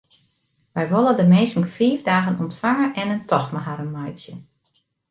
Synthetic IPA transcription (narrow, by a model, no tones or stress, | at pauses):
ʋɛjʋolˠədəmeːstn̩fiːvdaːɣənɔntfaŋəʔɛnəntʰɔxmaɦaɾənmajtsjə